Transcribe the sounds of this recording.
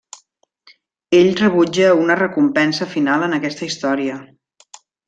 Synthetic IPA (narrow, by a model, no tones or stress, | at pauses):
eʎrəβ̞ud͡ʒəunərəkumpɛnsəfinalˠənəkɛst̪əist̪ɔɾiə